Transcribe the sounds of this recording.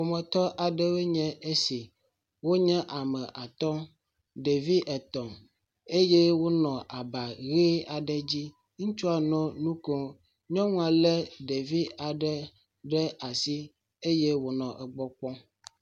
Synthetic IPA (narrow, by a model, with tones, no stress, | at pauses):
wo˨mɛ̃˨t̪ɔ˦ʔa˨ɖɛ˦we˦ɲɛ̃˦e˦si˨ | wo˦ɲɛ̃˦ʔa˨mɛ̃˨ʔa˨t̪ɔ˦ | ɖe˨vi˦ʔɛ˨t̪ɔ̃˨ | e˦je˦wo˦nɔ̃˨ʔa˨ba˨ɣe˦a˨ɖɛ˦d͡ʑi˦ | ŋũ˦t͡ʃu˦a˨nɔ̃˦nũ˦kɔ˨ | ɲɔ̃˦ŋũ˦a˨lɛ˦ɖe˨vi˦a˨ɖɛ˦ | ɖɛ˦a˨si˦ | e˦je˦wo˨nɔ̃˨ʔɛ˨ɡ͡bɔ˦k͡pɔ̃˦